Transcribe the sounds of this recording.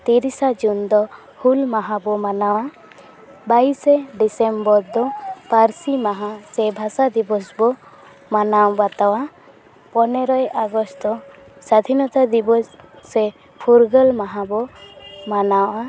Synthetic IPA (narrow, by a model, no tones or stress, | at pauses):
t̪iɾisad͡ʒund̪ɔ | hulmaɦãbɔmanawa | baisɛɖisembɔɾd̪ɔpaɾsimaɦasɛbʱasad̪ibɔsbɔ | manawbat̪awa | pɔnɛɾɔjaɡɔst̪ɔ | sad̪ʱinɔt̪ad̪ibɔssɛ | pʰuɾɡəlmaɦabɔmanawʔa